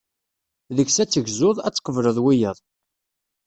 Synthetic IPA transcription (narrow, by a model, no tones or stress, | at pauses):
ðəçsæt͡sːəʝzʊðˤæ̰t͡sːqːəvləðˤwijəðˤ